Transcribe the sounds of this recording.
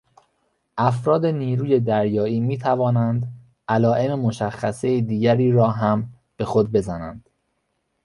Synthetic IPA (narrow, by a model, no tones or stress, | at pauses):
ʔæfɾɒːd̪e̞niːɾuːje̞d̪æɾjɒːiːmiːt̪ʰævɒːnænd̪ | ʔælɒːʔe̞memo̞ʃæxːæsejed̪iːɟæɾiːɾɒːɦæm | b̥e̞xo̞d̪̚be̞zænæ̰nd̪̥